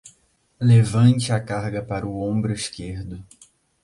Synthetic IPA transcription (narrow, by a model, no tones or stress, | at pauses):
levɐ̃nt͡ʃɪakaɾɡɐpaɾʊõmbɾʊiskeɾd̪ʊ